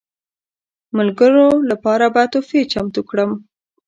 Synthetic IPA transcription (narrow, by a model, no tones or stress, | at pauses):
məlɡəɾolapɑɾabat̪ofet͡ʃamt̪ukɽəm